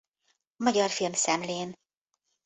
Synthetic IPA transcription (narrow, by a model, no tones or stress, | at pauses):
mɒɟɒrfilmsɛmleːn